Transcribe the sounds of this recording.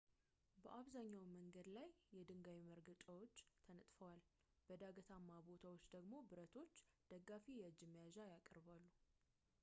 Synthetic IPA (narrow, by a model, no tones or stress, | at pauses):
bəʔaβzaɲːawməŋɡəd̪lajːɛd̪ɨŋɡawiməɾɡət͡ʃʼawot͡ʃːt̪ʰənət̪ʼfəwal | b̥əd̪aɡət̪ʰamːabo̞t̪ʰawot͡ʃːd̪əɡmo̞bɨɾət̪ʰo̞t͡ʃːd̪̥əɡafijɛɨd͡ʒːɪmːəjaʒajakʼəɾbalːu